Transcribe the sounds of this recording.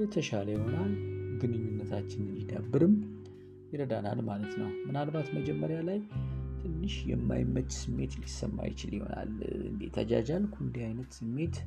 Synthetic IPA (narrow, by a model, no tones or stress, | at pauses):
lət̪ʰəʃaləjɛhonalɡɨnɨɲːunːət̪ʰat͡ʃːɪnɨnid̪ə̰bːɨɾɨm | jɪɾəd̪ana̰lmalət̪nə̰wmɨnalbat̪məd͡ʒɛmːəɾjalajt̪ʰɨnːɨʃjɛ̰mːa̰jmːət͡ʃʼsɨmːe̞t̪lisə̰mːa̰jɪt͡ʃɪljɪho̞̰na̰lɨ̰nd̪et̪ʰə̰d͡ʒa̰d͡ʒalkʰund̪ajnət̪sɨmːe̞t̪